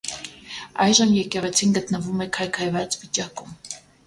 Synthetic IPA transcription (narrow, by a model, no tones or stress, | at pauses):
ɑjʒəmjɛkɛʁɛt͡sʰinɡət̪nəvumɛkʰɑjkʰɑjvɑt͡svit͡ʃɑkum